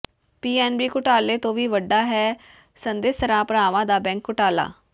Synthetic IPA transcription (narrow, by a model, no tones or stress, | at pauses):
piːɛːnbiːkʊʈaːleːt̪õːʋiːʋəɖaːɦɛː | sənd̪eːsəɾãːpɾaːʋãːd̪aːbɛ̃ːŋkːʊʈaːla̰ː